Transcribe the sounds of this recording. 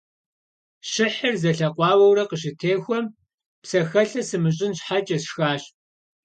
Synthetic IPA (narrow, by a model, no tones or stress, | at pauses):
ɕɪħɐrzɐɬɐqʷɑːwɐwrɐqəɕɪtʰeːxʷɔm | psɐxɐɬɐsɨmɨɕ̬ʼɪnɕħat͡ʃʼɐɕxaːɕ